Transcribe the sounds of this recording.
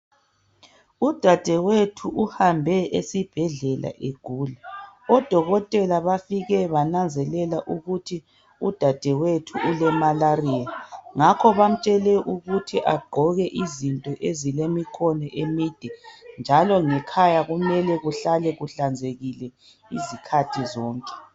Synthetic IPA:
ud̥ʱad̥ʱɛwetʰuʔuhambʱɛʔesib̥ʱɛɮɛla̰ʔeɡ̥ʱulaɔd̥ʱɔɣɔtʼɛlaβafiɣɛβanand͡zʱɛlɛlaʔuɣutʰi | ud̥ʱad̥ʱɛwetʰuulɛmalariːaŋakʰɔβam̩t͡ʃʼɛlɛʔuɣutʰiʔaɡ͡ǃʱɔɣɛʔizintʼɔʔezilemikʰɔnɛʔemid̥ʱind͡ʒʱalɔŋɛkʰajaɣumɛlɛɣuɬalɛɣuɬand͡zʱeɣilɛ | ḭzikʰatʰizɔːŋkʼɛ̥

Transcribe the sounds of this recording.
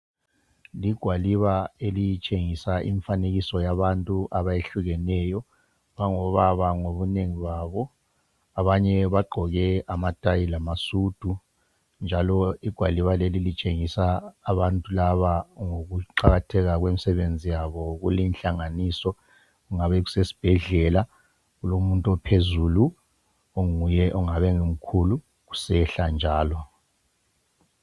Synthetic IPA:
liɡ̥ʱwaliβaelijit͡ʃʼeŋisaʔḭɱfaneɣisɔjaβantʼuʔaβajeɬuɣɛnɛjɔ | βaŋɔβaβaŋoβuneŋiβaβɔ | aβaɲɛβaɡ͡ǃʱɔɣɛamad̥ʱʼajilamasud̥ʱu | nd͡ʒʱalɔiɡ̥ʱwaliβalelilit͡ʃʼeŋisaːβantʼulaβaŋoɣuǃaɣatʰɛɣaɣwemisɛβend͡zʱijaβɔɣulinɬaŋaniːsɔ | uŋaβɛɣ̬u̥sesi̥b̥ʱɛɮɛla | ɣulomuntʼuɔpʰezulu | oŋujɛʔɔŋaβɛŋom̩kʰulu | ɣu̥sɛɬand͡ʒʱaːlɔ

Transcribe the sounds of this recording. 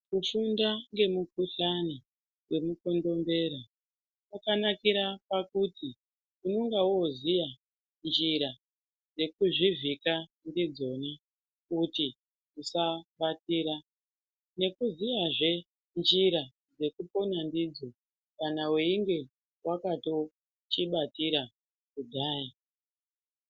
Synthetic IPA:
kufundaŋɡe̞muk̚uɬani | ŋwe̞muko̞ndo̞mbe̞ːɾa | pakanakiɾapakuti | uno̞ŋɡawozija | nd͡ʒiɾa | d͡ze̞kuʐivika | ndid͡zo̞na | kuti | usaɓatiːɾa | ne̞kuzijaʐe̞ | nd͡ʒiɾa | d͡ze̞kupo̞nandid͡zo̞ | kanaweiŋɡe̞ | wakato̞ | t͡ʃiɓatiɾa | kudʱaːja

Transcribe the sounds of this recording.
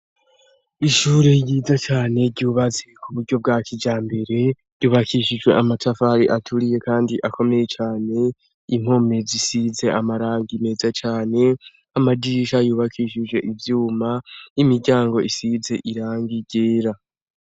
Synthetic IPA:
iʃuːɾejiːzat͡ʃaːne̞ɾɟuːβazekʰuβuɾɟo̞b̚ɡaːkʰid͡ʒaːmbe̞ɾe̞ | juːβakʰiʃid͡ʒwe̞̰ʔamatafaɾiʔatʰuɾije̞kaːndiʔakʰo̞me̞je̞t͡ʃaːne̞ | im̥ho̞me̞zisize̞ʔamaɾaːŋɡime̞ːzat͡ʃaːne̞ | amadiʃajuːβakʰiʃid͡ʒɡwe̞ʔivjuːmaimiɾɟaːŋɡo̞ʔisize̞ʔiɾaːŋɡiɟeːɾa

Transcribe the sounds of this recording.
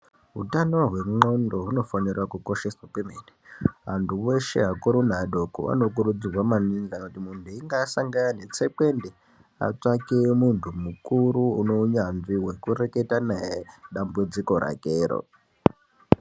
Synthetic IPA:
ɦṵtano̞ɦwe̞ŋ͡ǃo̞ndo̞ɦuno̞fanirwakuko̞ʃeswakwemeneɦantʰuweʃe̞̰ɦakoɾunaɗo̞kṵa̰no̞k̬uɾud͡zirwamaninzanotimuntuiŋɡasaŋɡaanet͡seke̞nde | a̰t͡ʂakemuntʰumukuɾuuno̞ɲanʐiɦwe̞kure̞ke̞tanaeɗambud͡ziko̞ɾa̰keːɾo̰

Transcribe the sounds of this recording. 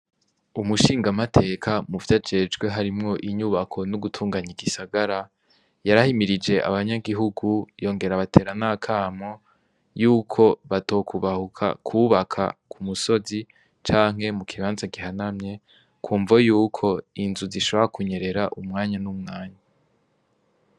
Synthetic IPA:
umuʃiːŋɡamatʰe̞ːkʰamuvjad͡ʒe̞d͡ʒɡwe̞ɦaɾimŋo̞ʔiɲuːβakʰo̞nuɡutʰuːŋɡaɲiɡisaɡaɾa | jaɾahimiɾid͡ʒe̞ʔa̰βaɲaɡiɦuɡujo̞ːŋɡe̞ɾaβatʰeːɾanakʰaːmo̞ | juːkʰo̞βato̞kʰuβahukʰa̰kʰuːβakʰa̰kʰumuso̞zi | t͡ʃaːŋ̥ɦe̞mukʰiβaːnzaɡiɦanamɲe̞ | kʰuːɱvajuːkʰo̞inzuziʃo̞βoɾakuɲe̞ɾe̞ɾaʔumŋaːɲanumŋaːɲa

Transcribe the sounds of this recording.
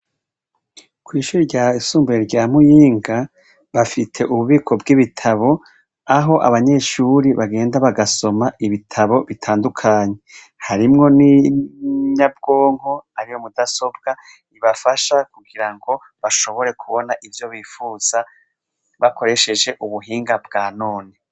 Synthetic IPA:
kwiːʃuːɾiɾɟaisuːmbueɾɟaːmujiːŋɡa | βafitʰe̞ʔuβuβiːkʰo̞bɡiβitʰaβo̞ | aɦo̞ʔa̰βaɲe̞ʃuːɾiβaɡe̞ːndaβaɡaso̞maʔiβitʰaβo̞βitʰaːndukʰaːɲe̞ | haɾimŋo̞ni | ɲab̚ɡo̞ːŋho̞aɾijo̞mudaso̞b̚ɡ̥a | iβafaʃakuɡiɾaŋɡo̞ | βaʃo̞βo̞ɾe̞kʰuβo̞naʔivjo̞βiːfuːz̥a | βako̞ɾe̞ʃe̞d͡ʒe̞ʔuβuɦiːŋɡab̚ɡaːnoːne̞

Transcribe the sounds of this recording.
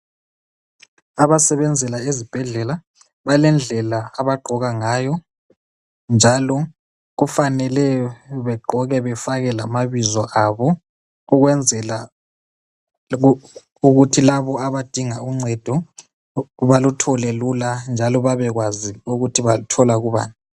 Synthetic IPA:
aβasɛβɛnd͡zʱɛlaezib̥ʱɛɮɛla | βalɛnd͡ɮʱɛlaːβaɡ͡ǃʱɔɣaŋaːjɔ | nd͡ʒʱalɔ | ɣufanɛlɛβɛɡ͡ǃʱɔɣɛβɛfaɣɛlamaβizɔʔaβɔ | uɣwɛnd͡zʱɛla | uɣutʰilaβɔaβad̥ʱiŋauŋ͡ǀʱɛd̥ʱɔ | βalutʰɔlɛluland͡ʒʱalɔβaβɛɣwaziuɣutʰiβautʰɔlaɣuβa̰ːni

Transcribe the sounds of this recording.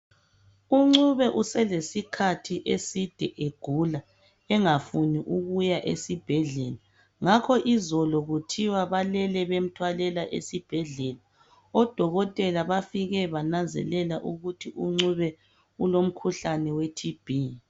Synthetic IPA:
uŋ͡ǀuβɛʔusɛlesikʰatʰiʔesid̥ʱɛʔeɡ̥ʱula | ɛŋafuniʔuɣujaʔḛsib̥ʱɛɮɛla | ŋakʰɔʔizɔlɔɣutʰiwaβalɛlɛβem̩tʰwalɛlaʔḛsib̥ʱɛɮɛla | ɔd̥ʱɔɣɔtʼɛlaβafiɣɛβananzʱɛ̰lɛlaʔuɣutʰiʔuŋ͡ǀuβɛ | ulom̩kʰuɬanɛwetʰib̥ʱi

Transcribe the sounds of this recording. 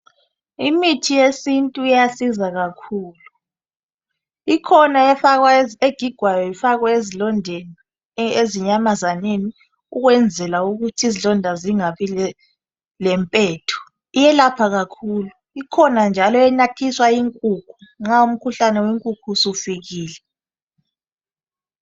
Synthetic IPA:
imitʰijesintʼuijasizaɣakʰuːlu | ikʰɔnaɛfaɣwaeɡ̥ʱiɡ̥ʱwajɔifaɣwaezilɔndʱeni | eziɲamazaneni | uɣwɛnd͡zʱɛlauɣutʰizilɔndʱaziŋaβi | lɛmpʼɛːtʰu̥ | ijɛlapʰaɣakʰuːlu | ikʰɔnand͡ʒʱalɔɛnatʰiswaiŋkʼukʰuŋ͡ǁaum̩kʰuɬanɛweŋkʼukʰusufiɣiːlɛ

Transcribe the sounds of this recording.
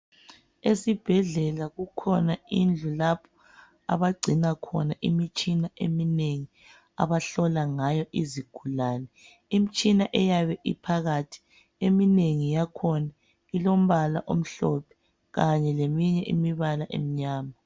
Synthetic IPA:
esib̥ʱɛɮɛlaɣukʰɔnaind͡ɮʱulapʰɔ̥ | a̰βaɡ͡ǀʱinakʰɔnaʔimit͡ʃʼinaʔemineŋi | a̰βaɬɔlaŋajɔʔiziɡ̥ʱulaːnɛ | imit͡ʃʼinaʔɛjaβɛʔḭpʰaɣatʰi̥ | emineŋijakʰɔna | ilom̩βala̰ʔom̩ɬɔpʰɛ̥ | ɣaɲɛlemiɲɛʔḭmiβalaʔḛm̩ɲaːma

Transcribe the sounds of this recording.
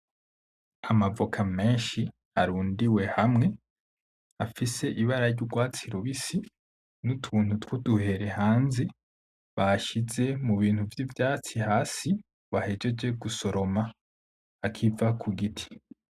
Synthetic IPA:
amavokʰame̞ːnʃi | aɾuːndiwe̞hamŋe̞ | afise̞ʔiβaɾaɾɟuɾɡwaːt͡siɾuβisi | nutʰuːn̥hutwuduhe̞ɾe̞haːnze | βaʃize̞muβiːn̥huvjivjaːt͡sihaːsi | βahe̞d͡ʒe̞d͡ʒe̞ɡuso̞ɾo̞ma | akʰivakʰuɡitʰi̥

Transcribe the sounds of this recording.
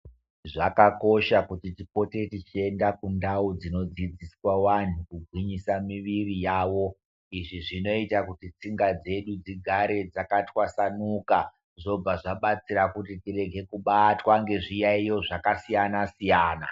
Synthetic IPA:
ʐakako̞ʃakutitipo̞te̞tit͡ʃie̞ndakundaud͡zino̞d͡zid͡ziswawan̤ukuɡʱwiɲisamiʋirijaːwo̞ | iʐiʐino̞itakutit͡siŋɡad͡ze̞ɗud͡ziɡʱaɾe̞d͡zakatwasanuka | ʐo̞b͡vaʐaɓat͡siɾakutitire̞ɡʱe̞kuɓatwaŋɡe̞ʐijaijo̞ʐakasijanasijaːna̰

